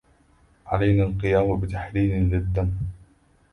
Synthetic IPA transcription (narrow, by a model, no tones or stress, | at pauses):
ʕalajnaːlqɨjaːmabɪt̪aħɾiːnɪlɪd̪ːam